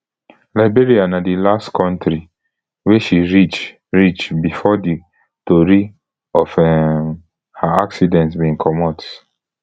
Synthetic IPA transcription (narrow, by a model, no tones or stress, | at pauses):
laɪbeɹianadilastkʰɔ̃ntɾi | weʃiɹit͡ʃ | ɹit͡ʃbifɔdi | toɹi | ɔfɛ | haaksidɛ̃ntsbĩŋkʰɔmɔt